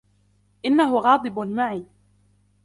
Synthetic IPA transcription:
ʔɪnːaɦʊɣɑːd̪ˤɨbmaʕiː

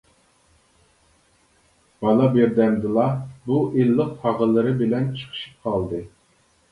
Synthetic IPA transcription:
b̥ɑlˠɑbeɾd̪ɛnd̪ɨlˠɑbuʔilːəq̚pʰɑʁəlˠɨɾɨbɪlɛnt͡ʃʰə̥χʰə̥ʃi̥p̚qʰɑlˠd̪ɨ

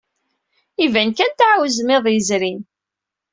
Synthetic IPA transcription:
ivænkænt̪ʕwzmɪðˤjəzɾin

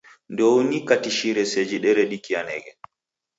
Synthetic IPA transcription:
ndownikatiʃiɾɛsed͡ʒiɗɛɾɛɗikijanɛɡɛ

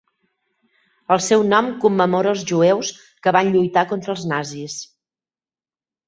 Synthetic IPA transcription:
əlˠsɛwnɔmkumːəmoɾəːlˠzʒuews | kəβanʎujt̪akont̪ɾəːlˠznazis

